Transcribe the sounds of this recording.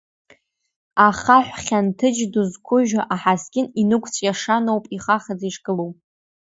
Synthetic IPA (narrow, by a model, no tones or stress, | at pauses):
aχaħʷᶣχʲantʰɨd͡ʒduzkʷʰʊʒaʔaħaskʲʼɪninɨkʷʰʼt͡sʰʼjaʂanowpʼiχaχad͡ziʂkʼɨlowpʼ